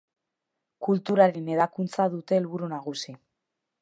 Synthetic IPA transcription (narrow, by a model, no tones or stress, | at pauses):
kult̪uɾaɾe̞ne̞ðakunt͡saðut̪e̞ːlβuɾunaɣ̞usi